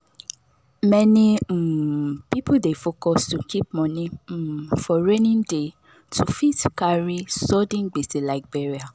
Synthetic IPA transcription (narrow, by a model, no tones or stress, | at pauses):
mɛnĩm̩pipudefokɔstukip̚mɔ̃nĩm̩fɔɹenĩnde | tʰufitkaɾisɔdĩnɡ͡beselaɪk̚beɹia